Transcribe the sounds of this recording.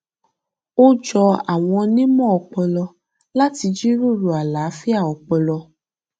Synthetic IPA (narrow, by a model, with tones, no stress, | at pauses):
o˦d͡ʒɔ˧a̰˨w̃ɔ̃˧nĩ˦mɔ̃˦˨ɔ˨k͡pɛ˧lɔ˧ | la˦ti˧d͡ʒi˦ɾu˦˨ɾu˨a˨la˨˦fi˦a˦˨ɔ˨k͡pɛ˧lɔ˧